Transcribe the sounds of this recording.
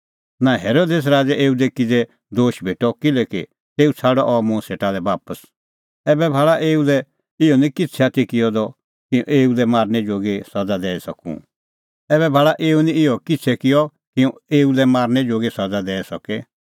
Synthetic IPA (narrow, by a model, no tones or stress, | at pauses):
nãɦeːɾoːd̪eːs̬ɾaːd͡ʒɛʔeːud̪ɛkid͡zɛ | d̪oːʃbʱeːʈɔkɪlɛkḭ | t̪eːut͡sʰaːɽɔʔɔmũseːʈad̪ɛbaːpəs | ɛbɛbʱaːɭaʔeːulɛ | ɪjɔnĩkɪt͡sʰɛat̪ikɪjɔd̪ɔ | kɪũʔeːulɛmaːɾnɛd͡ʒoːɡesɐd͡zad̪ɛːɛsɐkṵ̃ | ɛbɛbʱaːɭaʔeːunĩɪjɔkɪt͡sʰɛkɪjɔ | kɪũeːulɛmaːɾnɛd͡ʒoːɡesɐd͡zad̪ɛːɛsɔkɛ